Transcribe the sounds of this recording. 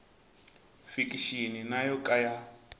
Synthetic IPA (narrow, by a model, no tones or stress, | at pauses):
fikʼiʃininajɔkʼaja